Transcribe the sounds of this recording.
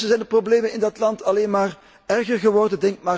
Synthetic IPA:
əzɛjndəprobleːmənɪndɑtlɑntɑleːnmaːr | ɛrɣərɣəʋɔrdəndɛŋkmaː

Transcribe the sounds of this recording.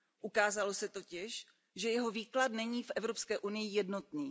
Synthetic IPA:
ʔukaːzalo̞sɛt̪o̞cɪʃ | ʒɛjɛɦo̞viːkladnɛɲiːfʔɛvɾo̞pskɛːʔunɪjɪjɛdno̞t̪niː

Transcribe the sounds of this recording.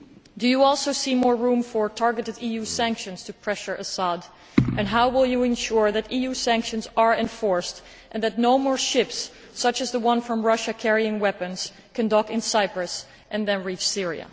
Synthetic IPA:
dɨjəɔlˠsoʊsimɔɹɹũmfə˞tʰɑɹɡɨɾɨdijusæ̃ŋkʃɨ̃nz̥tʰɨpʰɹ̥ɛʃə˞ʔəsɑd | ʔɨ̃nɦaʊwɪlˠjɨɨ̃nʃʊɹðɨɾijusæ̃ŋkʃɨ̃nzə˞ɨ̃ɱfɔɹst | ʔɨ̃nðɨtⁿnoʊmɔɹʃɪpsː | ʌt͡ʃɨzðəwʌ̃nfɹʌ̃mɹʌʃɨkʰɛɹiɪ̃ŋwɛpɨ̃nz̥ | kʰɨ̃ndɔkɨ̃nsaɪpɹɨs | ʔɨ̃nðɨ̃nɹit͡ʃsɪɹḭɨ̰

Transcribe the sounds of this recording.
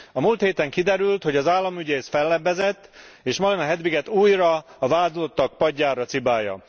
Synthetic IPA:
ɒmuːlt̪heːt̪ɛŋkid̪ɛɾylt̪ho̞ɟɒzaːlːɒmyɟeːsfɛlːɛbːɛzɛt̪ː | eːʃmɒlinɒɦɛd̪ʋiɡɛt̪uːjrɒːvaːd̪lot̪ːɒk̚pɒɟːaːɾɒt̪sibaːjɒ̰

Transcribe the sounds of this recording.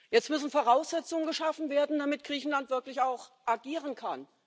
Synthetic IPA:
jɛt͡stmʏsn̩foʁaʊsz̥ɛt͡sʊŋənɡəʃafn̩veːɐdn̩d̥amɪt̚ɡ̥ʁiːçn̩lantv̥ɪɐklɪçaʊxʔaɡiːʁənkʰan

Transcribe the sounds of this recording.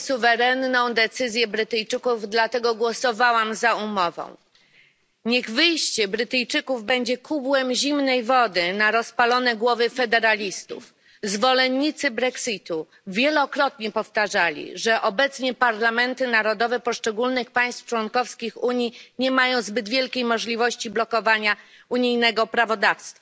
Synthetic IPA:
suvɛɾɛnːɔ̃w̃d̪ɛt̪sɘzʲjɛbɾɘt̪ɘjt͡ʂɘkuvd̪lat̪ɛɡɔɡwɔsɔvawamzaumɔvɔ̰̃w̃ | ɲɛɣvɘjɕt͡ɕɛbɾɘt̪ɘjt͡ʂɘkuvbɛɲd͡ʑɛkʰubwɛmʑimnɛjvɔd̪ɘnaɾɔspalɔnɛɡwɔvɘfɛd̪ɛɾalʲist̪ṵf | zvɔlɛnɲːit̪sɘbɾɛksit̪u | vʲjɛlɔkɾɔt̪ɲɛpɔft̪aʐalʲḭʐɛʔɔbɛt̪sɲɛpaɾlamɛnt̪ɘnaɾɔd̪ɔvɛpɔʂt͡ʂɛɡulnɘxpaj̃st̪ft͡ʂwɔnkɔfskʲixuɲiɲɛmajɔ̃w̃zbɘd̪vʲjɛlkʲejmɔʐlʲivɔɕt͡ɕiblɔkɔvaɲa | uɲijnɛɡɔpɾavɔd̪afst̪fa

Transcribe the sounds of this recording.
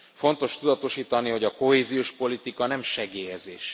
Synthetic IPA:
fo̞nt̪o̞ʃt̪ud̪ɒt̪o̞ʃiːt̪ɒniɦo̞ɟɒko̞ɦeːzijoːʃpo̞lit̪ikɒnɛmʃɛɡeːjɛzḛːʃ

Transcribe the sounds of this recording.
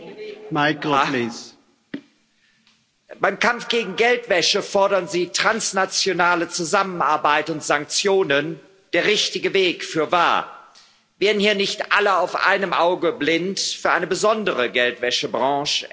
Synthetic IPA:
maɪkliːs | b̥aɪmkʰamfɡ̥eːɡŋ̩ɡɛltv̥ɛʃəfɔɐɾɐnziːtʁ̥ansnat͡sjonaːlət͡suzamənaɐbaɪtʊntz̥aŋk̚t͡sjoːnən | d̥eːɐʁɪçtɪɡəveːkfyːɐva̰ːɐ | veːɐdn̩hiːɐnɪçtʔa̰ləaʊfʔa̰ɪnəmʔaʊɡəblɪntfyːɐʔaɪnəbəzɔndəʁəɡɛltv̥ɛʃəbʁɑ̃ːʃ

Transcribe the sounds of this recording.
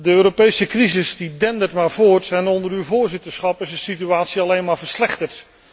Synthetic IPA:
dəøːɾopejsəkrizɪsdidɛndətmaːɹvʊːɹtɛnɔndəɾywvʊːɹzɪtəɹsχɑpɪsənsityaːtsiɑlejnmaːɹvəɹslɛχtəɹt

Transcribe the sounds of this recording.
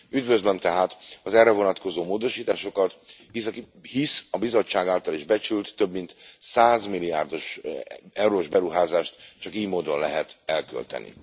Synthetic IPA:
yd̪vø̞zlømt̪ɛɦaːt̪ɒzɛrːɛvo̞nɒt̪ko̞zoːmoːd̪o̞ʃiːt̪aːʃo̞kɒt̪his | hisɒbizo̞t͡ʃːaːɡaːlt̪ɒliʒbɛt͡ʃylt̪ːø̞bmint̪saːzmilijaːrd̪o̞ʃ | ɛwɾoːʒbɛɾuɦaːzaːʃt̪t͡ʃɒkiːjmoːd̪o̞nlɛɦɛt̪ɛlkø̰lt̪ɛ̰nḭ

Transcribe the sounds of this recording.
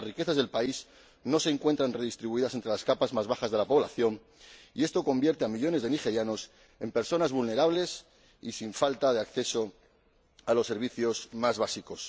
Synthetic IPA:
rike̞θazðe̞lpais | no̞se̞ːŋkwent̪ɾanre̞ðist̪ɾiβuiðasent̪ɾe̞laskapazmazβaxazðe̞lapo̞β̞la̰θjo̞n | ie̞st̪o̞ko̞mbje̞ɾt̪eamiʎo̞ne̞zðe̞nixe̞ɾjano̞s | e̞mpe̞ɾso̞nazβulne̞ɾaβle̞s | isiɱfalt̪aðe̞akθe̞so̞ | alo̞sːe̞ɾβ̞iθjo̞smazβasiko̞s

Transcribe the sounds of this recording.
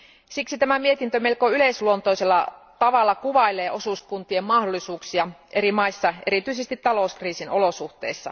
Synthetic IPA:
siksit̪æmæmie̞t̪int̪ømelkoyleisluont̪oiselːɑt̪ɑʋɑlːɑkuʋɑileːʔo̞suskunt̪iemmɑhdolːˑisuːksiɑʔe̞ɾimɑisːɑe̞̰ɾit̪yisest̪it̪t̪ɑlouskriːsinʔo̞losuht̪ḛisːɑ̰

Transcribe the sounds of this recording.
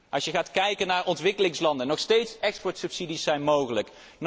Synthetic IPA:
ʔɑsjəχaːtkɛjkənaːɹʔɔntʋɪkəlɪŋslɑndənɔχstejtsɛkspɔɹtsɵpsidisːɛjnmowχələk | n

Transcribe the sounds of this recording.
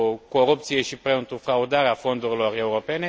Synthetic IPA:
ko̞ɾupt̪sije̞ʃipɾeɨnt̪ɾufɾaud̪aɾeafo̞nd̪uɾilo̞re̞uɾo̞pe̞ne̞

